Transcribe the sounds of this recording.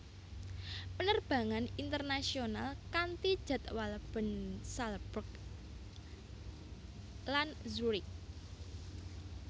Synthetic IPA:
pənərb̥ä̤ŋanint̪ərnasionalkant̪id̥ʒ̥a̤t̪walb̥ə̤nsalb̥ək̚ | lanzuɾik

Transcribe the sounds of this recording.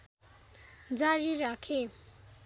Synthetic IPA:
d͡zaɾiɾakʰe

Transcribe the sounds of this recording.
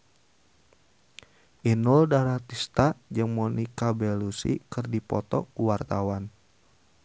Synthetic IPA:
ʔinuldaɾat̪ist̪ad͡ʒɨŋmɔnikabɛlusḭkɨrdipɔ̰t̪ɔ̰kuwart̪awan

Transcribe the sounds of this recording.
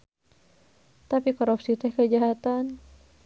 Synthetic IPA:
t̪apikɔɾupsit̪ɛhkəd͡ʒaɦat̪an

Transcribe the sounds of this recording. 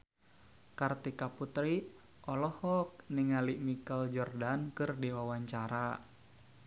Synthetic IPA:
kart̪ikaput̪ɾi | ʔɔlɔhɔk̚niŋaliʔmikald͡ʒɔrdankɨrdiwawaɲt͡ʃaɾa

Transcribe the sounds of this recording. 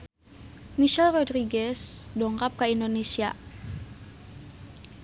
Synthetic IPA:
miʃɛlrodɾiɡɛsdɔŋkap̚kaindonesia̰

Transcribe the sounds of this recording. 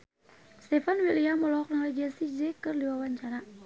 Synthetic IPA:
st̪ɛfanwiliamɔlɔɔk̚naled͡ʒɛnsid͡ʒɛkɨrliwawaɲt͡ʃana

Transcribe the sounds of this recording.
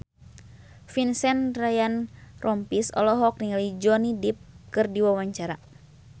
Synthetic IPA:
finsɛnrajanrʔɔmpisɔ̰lɔɦɔk̚niŋalid͡ʒɔnidip̚kɨrdiwawaɲt͡ʃaɾa

